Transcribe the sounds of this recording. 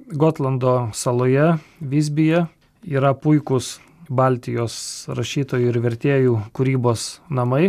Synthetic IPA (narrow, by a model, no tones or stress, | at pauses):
ɡoːt̪lˠɐnd̪oːsɐlˠoːjɛʋʲɪzʲbʲɪjɛ | iːɾɐpʊɪkʊs | bɑˑlʲt̪ʲɪjoːsɾɐʃʲiːt̪oːjuːɪɾʋʲɛɾʲt̪ʲeːjuːkʊɾʲiːboːsnɐmɐɪ